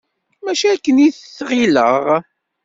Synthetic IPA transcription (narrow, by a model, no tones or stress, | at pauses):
mæʃiækːəniθθʁiləʁ